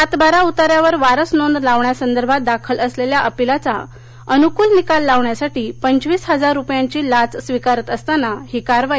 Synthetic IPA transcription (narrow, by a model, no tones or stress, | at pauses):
at̪baɾaut̪aɾjaʋəɾʋaɾəsnond̪laʋɳjasənd̪əɾbʱat̪̚d̪akʰələsleljaʔəpilat͡sa̰ | ənukuːlnikalːaʋɳjasaʈiːpəɲt͡ɕʋiːsɦəd͡zaɾːupjãɲt͡ɕiːlat͡ssʋikaɾət̪əst̪anahikaɾʋa